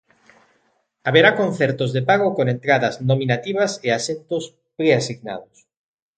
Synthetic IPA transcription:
aβeɾakon̟θɛɾt̪ozðepaɣ̞okoŋent̪ɾaðɐznominat̪iβ̞ɐseasent̪os | pɾeasiɣna̰ðʊs

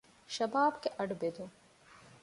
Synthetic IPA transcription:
ʃɐbaːbkeʔɐɖbeːd̪õː

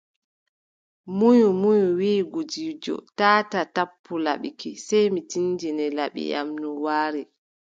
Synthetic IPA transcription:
mujumujuwiːɡud͡ʒiːd͡ʒɔ̰taːtatapʰːula̰ɓikisɛjmitind͡ʒinɛlaɓḭja̰mnuwaːɾɛ

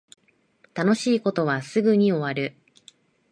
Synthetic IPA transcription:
t̪ano̞ɕiːko̞t̪o̞β̞asɨɡɯ̟ɲ̟io̞βaɾɯ̟

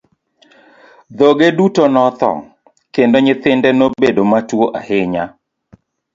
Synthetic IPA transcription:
d̪oɡedutonɔt̪ɔ̰ŋ | kendoɲɪt̪ɪndɛnobedomatwoʔahɪɲa

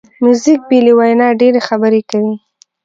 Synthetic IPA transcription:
mjuzik̚biliwajnɑɖeɾexabəɾekawi

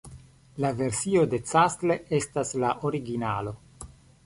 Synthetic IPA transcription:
lave̞ɾsio̞de̞t͡sastle̞e̞staslaʔo̞ɾiɡinalo̞

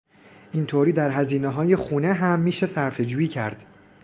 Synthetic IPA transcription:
ʔint̪ʰoːɾiːd̪æɾɦæziːneɦɒːje̞xuːneɦæmːiːʃe̞sæɾfe̞d͡ʒuːjiːcʰæɾd̪̥

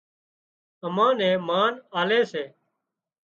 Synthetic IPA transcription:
əmãːnɛ̃ːmaːnaːleːseː

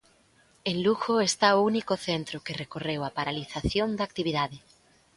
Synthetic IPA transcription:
enluɣoest̪aounikʊθent̪ɾʊkerekorewapaɾaliθaθjond̪aːk̚t̪iβiðaðɪ

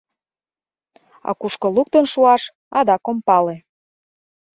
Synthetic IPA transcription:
ɑ̰kuʃkoluk̚t̪ənʃuɑʃ | ɑd̪ɑkompɑle

